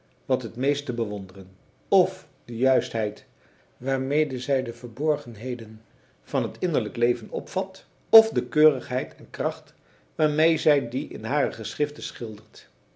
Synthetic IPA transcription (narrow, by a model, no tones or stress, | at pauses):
ʋɑtɦətmejstəbəʋɔndərən | ɔf | dəjœɥstɦɛjt | ʋaːɹmejdəzɛjdəvəɹbɔɹχənɦejdən | v̥ɑnɦətɪndəɹləklejvənɔ̰pfɑt | ɔfdəkøːrəχɦɛjtɛnkrɑχt | ʋaːɹmejzɛjdiʔɪ̰nɦaːrəχəsrɪftəsχɪlˠdəɹt